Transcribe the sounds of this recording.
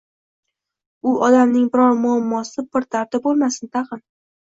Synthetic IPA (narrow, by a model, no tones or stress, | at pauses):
ʊʔɒd̪amnɪŋbɪɾɒɾmʊamːɒsɪpɪɾt̪ʰaɾt̪ɪp̚bolˠmasɪnt̪ʰaqɨn